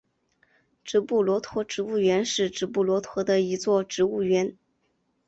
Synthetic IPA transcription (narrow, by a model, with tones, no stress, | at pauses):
ʈ͡ʂɻ̩˧˥pu˥˩lwɔ˧˥t̪ʰwɔ˧˥ʈ͡ʂɻ̩˧˥u˥˩ɥɛ˧˥nʂɻ̩˥˩ʈ͡ʂɻ̩˧˥pu˥˩lwɔ˧˥t̪ʰwɔ˧˥d̪ə˧i˧˥t͡swɔ˥˩ʈ͡ʂɻ̩˧˥u˥˩ɥɛ˧˥n